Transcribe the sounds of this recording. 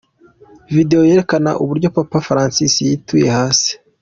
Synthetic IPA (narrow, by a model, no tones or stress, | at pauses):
vide̞jo̞je̞ɾe̞kana̰ʔuβuɾɟo̞papafɾaːnsisijituje̞haːsi̥